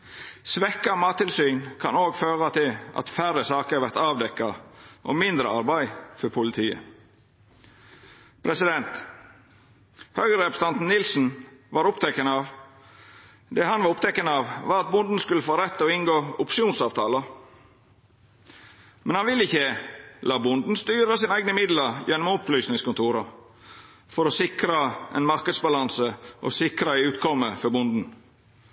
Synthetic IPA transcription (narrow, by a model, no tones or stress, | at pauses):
sʋɛkːɑmɑːt̪ʰːɪlsyːnkʰɑ̰noːɡføːɾɑt̪ʰɪlɑ̰t̪fæɾəsɑːkəɑɾʋæɾt̪ɑːʋd̪ɛkːɑʔɔ̰mɪnd̪ɾə̰ɑ̰ɾbæɪfɔɾpʰʊlɪt̪ʰiːə̰ | pʰɾɛsɪd̪ɛnt̪ | høɡəɾɛpəst̪ɑnt̪n̩nɪlsn̩ʋɑːɾʊpt̪ʰɛkːənəɑːʋ | d̪ɛhɑnʋɑɾʊp̚t̪ʰɛkːənəɑːʋʋɑːɾɑt̪̚bʊnd̪n̩skʉləfoːɾɛt̪ːɔɪnɡoːʊpʂɪuːnsɑːʋt̪ʰɑːlə | mɛnhɑnʋɪlːəɪçəlɑːbʊnd̪n̩st̪yːɾəsiːnæɪɡnəmɪd̪ləjɛnːɔmɔmʊplyːsnɪŋskʊnt̪ʰuːɾɑ | fɔɾɔsɪkɾəʔɛ̰ɪnmɑɾkəd̪sbɑlɑnsəʔɔ̰sɪkɾɑæɪʉːt̪kʰɔmːəfɔɾbʊnd̪n̩